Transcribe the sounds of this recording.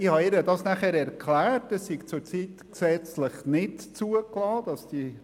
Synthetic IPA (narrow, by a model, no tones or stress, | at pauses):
ihɑɪɾədɑsnæχɛɾɛɾkʰlæːrtɛsːiɡ̥t͡sʊɾt͡siːtksɛt͡sləχnɪdt͡suəklɑːd̥ɑsd̥i